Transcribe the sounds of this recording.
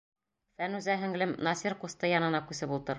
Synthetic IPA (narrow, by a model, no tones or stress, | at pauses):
fænʉzæɦɘ̆ŋlɘmnɑsʲiɾqust̪ɤjɑnɤ̆nɑkʉsɘbulˠt̪ɤɾ